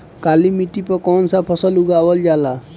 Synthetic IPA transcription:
kalimiʈ̪ipəkɔnsapʰəsəluɡabəld͡ʒala

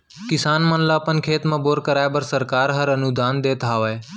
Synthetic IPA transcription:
kɪsaːnmə̃nlaːpənkʰeːt̪mãːboːɾkəɾaːebəɾsəɾkaːɾɦəɾənʊd̪ʱaːnd̪eːt̪aːʋəeː

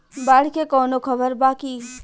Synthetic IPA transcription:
baːɽkekɔːnokʰɐbəɾbaːki

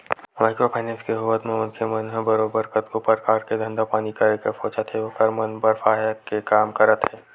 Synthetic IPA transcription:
maːɪkɾopʰaːɪnẽːnskeɦʊʋət̪mẽʊnkʰemɐnɦɛ̃bɐɾoːbəɾkət̪kopəɾkaːɾked̪ʱɐ̃nd̪apaːnikaekəfoːt͡ʃat̪ɦeokɐɾmɐnbəɾfaːjakekaːmkɐɾət̪ɦɛː

